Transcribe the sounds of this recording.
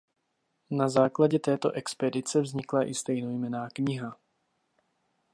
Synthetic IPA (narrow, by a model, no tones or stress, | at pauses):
nazaːklaɟɛt̪ɛːt̪o̞̰ʔɛkspɛdɪt͡sɛvzɲɪklaʔɪst̪ɛjnojmɛnaːkɲɪɦa